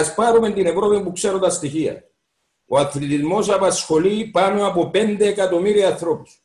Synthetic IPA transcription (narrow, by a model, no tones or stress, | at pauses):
spɐɾume̞nt̪ine̞vɾo̞pimpukse̞ɾot̪ɐst̪içiɐ̰ | o̞ɐθlit̪izmo̞s̬ɐpɐsxo̞lipɐno̞ɐpo̞pe̞nd̪eːkɐt̪o̞miɾiɐnθɾo̞pu̥s